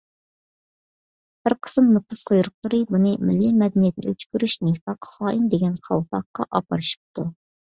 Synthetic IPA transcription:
b̥ɪɾqʰə̥sɨmnɨpʰɨsqʰojɾʊq̚lˠɨɾɨbunɨmɪlːimɛd̪ɛnijɛt̪̚nɪ̰øt͡ʃ̪kʲyɾyʃnifɑqʰχɑːʔimd̪eɡʲɛnχʰɑ̰lˠpɑqːɑ̰ʔɑpɑɾɨʃi̥p̚t̪ʰu

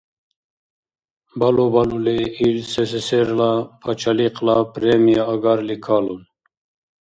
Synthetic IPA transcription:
balobaluleiɾseseseɾlapʰat͡ʃʰaliqlapɾemijaːɡaɾlikʰalun

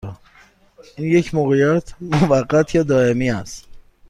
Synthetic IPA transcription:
iːnje̞cʰmoɣejæt̪ʰmovæɢːæt̪ʰjɒːd̪ɒːe̞miːæst̪

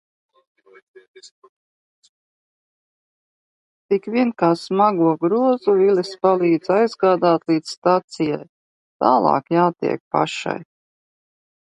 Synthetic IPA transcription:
t̪ikʋʲiɛnkaːsmaɡuɔɡɾuɔzuvilispalˠiːd̪z̥ajzɡaːd̪aːt̪lˠiːd̪sst̪at̪sija̰j | t̪a̰ːlˠɑ̰ːkjaːt̪ḭɛk̚pa̰ʃa̰j

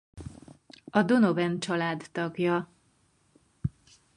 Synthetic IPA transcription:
ɒd̪onovɛnt͡ʃɒlaːd̪ːɒɡjɒ

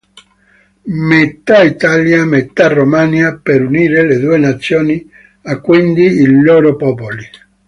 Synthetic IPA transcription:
met̪ait̪aljamet̪arːomanjapeɾuniːɾeled̪uːenat̪sːjoːni | akːwind̪iiloːɾopɔpoli

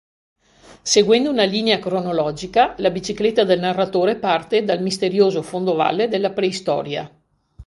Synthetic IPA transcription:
seɡwɛnd̪ounaliːneakɾonolɔːd͡ʒikalabit͡ʃiklet̪ːad̪elnarːat̪oːɾepart̪ed̪almist̪eɾjoːzofond̪ova̰lːed̪elːapɾeist̪ɔ̰ːɾja̰

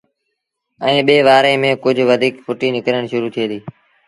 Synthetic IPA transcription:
ɛ̃ːɓeːʋaːɾẽːmẽːkʊd͡ʒʱʋəd̪ʱiːkpʊʈiːnɪkɾəɳ̃ʃʊɾuːt̪ʰieːd̪iː

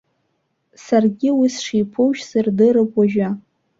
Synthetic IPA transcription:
sarɡʲɪwisʂijpʰowʃsɨrdɨɾɨpʼwaʒᶣa

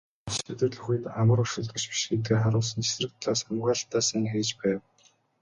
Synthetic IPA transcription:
sɵt̪ɘ̆rɮɵ̆xŭjt̪amə̆ɾʊʃʊ̆ɮt̪ə̆t͡ɕpi̥ʃɡet̪̚ɡeːrχaɾʊːsə̆nt͡ɕʰe̥srɘ̆k̚t̪ʰɮaːsamʁăːɬt̪aːsĭŋxeːt͡ɕpæːw

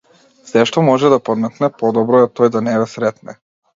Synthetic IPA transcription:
sɛʃt̪ɔmɔʒɛd̪apɔd̪mɛk̪nɛpɔd̪ɔbɾɔɛt̪ɔjd̪anɛβɛsɾɛt̪nɛ

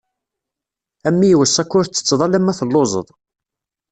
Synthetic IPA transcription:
æmːijwəsːækːʊɾt͡sːə̥t͡sːðˤɑlæmːæθəlːozˤə̰ðˤ

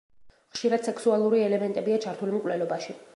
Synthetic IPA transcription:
χʃiɾad̪̥sɛksualˠuɾiɛlɛmɛnt̪ʼɛbiat͡ʃʰaɾt̪ʰulimkʼwlɛlɔbaʃi

